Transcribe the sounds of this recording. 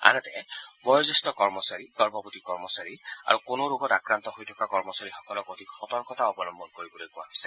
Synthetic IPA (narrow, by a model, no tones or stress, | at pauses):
a̰nɛtɛ̰bɔjɔzɔstɔkɔɹmɔsaɹiɡɔɹbɔpotikɔɹmɔsaɹia̰ɹukonoɹoɡɔtakɹant̪ɔhojtʰɔ̥kakɔɹmɔsaɹixɔ̥kɔlɔkotikxɔtɔɹkɔtʰaɔbɔnɔmbɔnkoɹibɔlojkʊwa̰ɦɔjsɛ